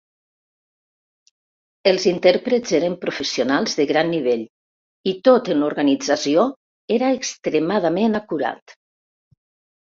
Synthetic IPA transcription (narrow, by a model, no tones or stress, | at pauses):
əlˠzint̪ɛɾpɾəzeɾəmpɾufəsionalˠzðəɣɾanːiβ̞eʎ | it̪ot̪ənluɾɣanid͡zasio | eɾaeːkst̪ɾemað̞amenakuɾa̰t̪